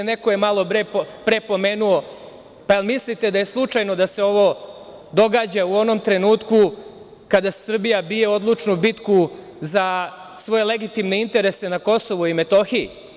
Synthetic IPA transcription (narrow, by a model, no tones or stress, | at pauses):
ne̞kojemalˠo̞pɾeppɾe̞po̞me̞ːnuo̞ | paelˠmislit̪e̞d̪aje̞slˠut͡ʂajno̞d̪ase̞o̞ʋo̞ | d̪o̞ɡaːd͡ʑauo̞no̞mt̪ɾe̞nuːt̪ku | kad̪asr̩bijabije̞o̞d̪lˠut͡ʂnubit̪ku | za | sʋo̞je̞le̞ɡit̪imne̞int̪e̞ɾe̞se̞nako̞so̞ʋuime̞t̪o̞xii